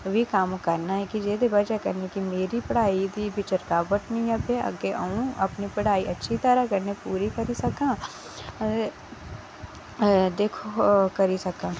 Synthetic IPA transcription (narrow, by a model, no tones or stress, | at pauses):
ʋikaːmkɐɾnaɦɛkid͡ʒeːd̪ebɐd͡ʒakɐɾnekimeːɾipɐɽ̤aːid̪ibʱɪt͡ʃəɾkaːbəʈ̪nĩjãpʰeɐ̰ɡeʔə̰ũɐpnipɐɽ̤aːiʔɐtːʃʰit̪əɾakɐɾnepuːɾikɐɾisɐkãː | d̪eːkʰokɐɾisɐkãː